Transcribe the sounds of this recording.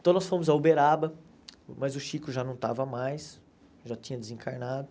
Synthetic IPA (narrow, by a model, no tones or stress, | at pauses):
t̪ɐ̃w̃nɔsfõmʊzɐubeɾabɐ | mɐzʊʃikʊʒanɐ̃w̃t̪avɐmajs | ʒat͡ʃĩɲɐd̪ɪzẽŋkaɾnad̪ʊ